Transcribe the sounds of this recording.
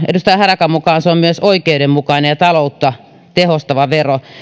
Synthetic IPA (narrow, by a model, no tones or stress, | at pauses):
ḛdust̪ɑihɑɾɑkɑmmukɑːnseommyøsoikeuɾemmukɑinejɑt̪ɑlout̪ːɑ | t̪ehost̪ɑʋɑʋero